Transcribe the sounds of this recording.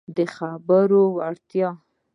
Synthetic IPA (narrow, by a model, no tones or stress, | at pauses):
d̪əxabəɾowaɽt̪jɑ